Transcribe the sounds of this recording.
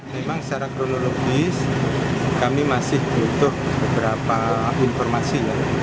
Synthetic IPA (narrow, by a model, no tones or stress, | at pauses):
memaŋsaɾakɾonoloɡɪs | kamimasɪhb̥ut̪ʊhb̥əbəɾapainfɔrmasila